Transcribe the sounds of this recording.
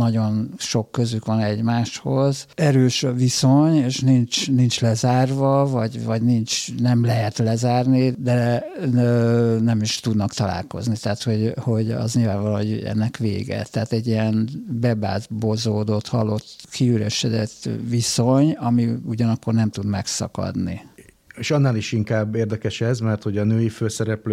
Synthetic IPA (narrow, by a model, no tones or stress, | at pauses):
nɒɟo̞nʃo̞kːø̞zykʋɒnɛɟmaːʃho̞zɛɾøːʃviso̞ɲeːʃnint͡ʃnint͡ʃlɛzaːrvɒvɒɟvɒɟnint͡ʃnɛmlɛɦɛt̪lɛzaːrnid̪ɛ | nɛmiʃt̪ud̪nɒkt̪ɒla̰ːlko̞̰znit̪ɛat̪ho̞ɟho̞ɟɒ̰zɲilvaːɱvɒlho̞ɟɛ̰nːɛkʋḛːɡɛ̰t̪ɛɦaːt̪ɛɟːiɛnbɛba̰ːzbozoːd̪o̞t̪hɒlo̞t̪kʰiyɾɛʃɛd̪ɛt̪ːʋiso̞ɲɒmiuɟɒnɒkːornɛmt̪ud̪mɛksɒ̰kɒ̰d̪nḭ | eʃɒnːaːliʃiŋkaːbːeːrd̪ɛkɛʃɛzmɛrt̪ho̞ɟɒnøːjiføːsɛɾɛpløː